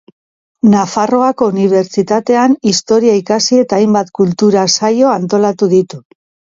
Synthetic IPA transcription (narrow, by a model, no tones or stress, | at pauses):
nafaro̞ako̞uniβ̞e̞ɾt͡ʃit̪at̪e̞anist̪o̞ɾiaikasie̞t̪aːjmbat̪kult̪uɾasajo̞ant̪o̞lat̪uðit̪u